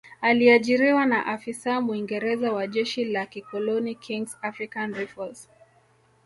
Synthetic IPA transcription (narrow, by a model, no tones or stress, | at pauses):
aliaʄiɾiwanaʔafisamuiŋɡɛɾɛzawaʄɛʃilakikɔlɔnikʰiŋɡsafɾikanɾɛfɔls